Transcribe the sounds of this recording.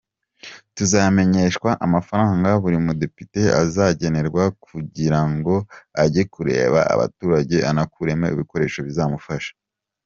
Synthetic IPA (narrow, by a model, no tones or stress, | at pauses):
tuzame̞ɲe̞ʃkwaʔamafaɾaːŋɡaβuɾimude̞pite̞a̰zaɟe̞ne̞ɾɡwakʰuɟiɾaŋɡo̞aɟekuɾḛːβa̰a̰βa̰tuːɾaɟe̞ʔanakuɾe̞mḛḭβiko̞ɾe̞ːʃo̞βizaːmufaʃḁ